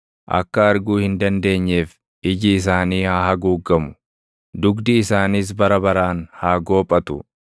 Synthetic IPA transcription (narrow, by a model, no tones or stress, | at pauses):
ʔɐ̰kːɐɐɾɡuːhɪnd̪ɐnd̪e̞ːɲːeːf | ɪd͡ʒɪːs̬aːniːhaːhɐɡuːɡːɐmʊ̥ | d̪ʊɡd̪ɪːsaːniːs̬bɐɾɐbɐɾaːnhaːɡo̞ːpʼːɐt̪ʊ̰